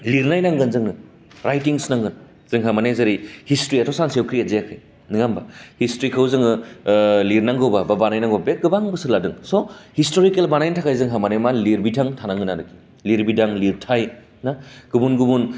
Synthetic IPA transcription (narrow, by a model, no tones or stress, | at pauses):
liɾnajnaŋɡɯnzɯŋnɯ | ɾajtiŋsnaŋɡɯn | z̥ɯŋɦamanezɐɾihistɾiatʰɔsaŋsewkʰɾijazeakʰɯj | niŋambahistɾikʰawzɯŋɯ | liɾnaŋɡɯwbababanajnaŋɡobbek̚ɡɯbaŋbɯsɯladɯŋsɔhistoɾikelbanajntʰakʰajzɯŋɦamanemaliɾbitʰaŋtʰanaŋɡɯnaɾɯki̥ | liɾbidaŋliɾtʰaj | naɡ̥ɯbunɡubun